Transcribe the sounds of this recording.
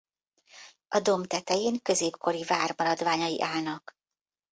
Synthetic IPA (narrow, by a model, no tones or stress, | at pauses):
ɒd̪o̞mt̪ɛt̪ɛjeːŋkø̞zeːpkʰo̞ɾivaːrmɒɾɒd̪vaːɲɒjiʔaːlnɒk